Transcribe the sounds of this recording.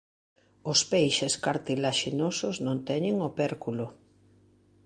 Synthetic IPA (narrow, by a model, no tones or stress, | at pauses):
ʊspejʃeskaɾt̪ilaʃinosʊznõnt̪ɛɲɪŋopɛɾkulʊ